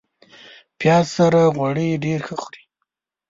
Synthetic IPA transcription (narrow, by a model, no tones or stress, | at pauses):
pjɑzsaɾaɣwaɽəjɖeɾxəxɾi